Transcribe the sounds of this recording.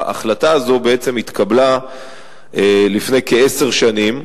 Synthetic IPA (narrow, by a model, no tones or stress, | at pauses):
ʔa̰χlataːzo̞be̞et͡se̞mit̪kʰabla | elifne̞jkee̞se̞ʁʃanim